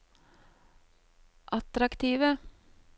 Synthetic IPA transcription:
ʔɑt̪ɾɑkt̪ʰiːʋə

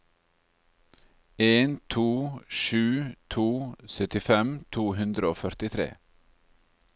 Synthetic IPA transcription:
eːnt̪ʰuːʃʉːt̪ʰuːsœt̪ɪfɛmt̪ʰuːhʉnd̪ɾəoːfœɾt̪ɪt̪ʰɾḛː

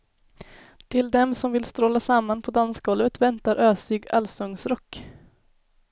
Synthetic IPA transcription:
t̪ʰɪld̪ɛmsɔmvɪlst̪ɾoːlasamːanpʰɔd̪anskɡɔlvət̪vɛnt̪aɾʔøːsʏːɡalsɔŋsɾɔkː

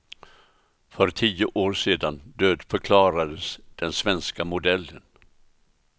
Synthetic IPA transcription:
fœɾt̪ʰiːʊʔoːɾʂeːd̪and̪øːd̪fœɾkʰlɑːɾad̪əsd̪̥ɛnsvɛnskamʊd̪ɛlːən

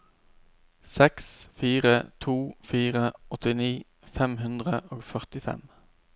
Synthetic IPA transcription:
sɛksfiːʁət̪ʰuːfiːʁəɔt̪ɪniː | fɛmɦʉnd̪ʁəʔoːɡfœʁt̪ɪfɛ̰m

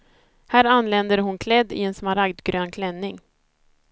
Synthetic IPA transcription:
hæːɾanːlɛnd̪əɾɦʊnkʰlɛd̪ːɪ̰ɛnsmaɾaɡd̪ɡɾøːnkʰlɛnːɪŋ

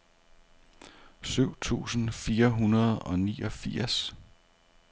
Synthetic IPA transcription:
syʊ̰t͡sʰṵːsn̩fiːɐɦunɐð̞̩ˠɒ̽niːʔɒfiɐ̰s

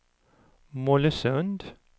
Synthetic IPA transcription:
mɔləsœnd̪

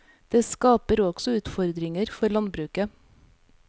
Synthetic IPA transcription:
d̪̥eːskɑːpəɾɔɡ̥sɔʉːt̪fɔɾd̪ɾɪŋəɾfɔɾɭɑnbɾʉːkə

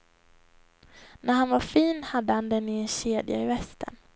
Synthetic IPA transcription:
nʔæɾhanvaɾfiːnhad̪ːəhand̪ɛnɪɛnɕeːd̪ja̰ɪvɛst̪ʰə̰n

